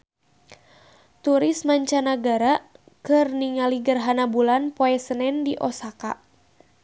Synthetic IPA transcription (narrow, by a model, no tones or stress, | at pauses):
t̪uɾɪsmaɲt͡ʃanaɡaɾa | kɨrniŋaliɡərɦanabulanpoɛsənɛndiʔɔsaka̰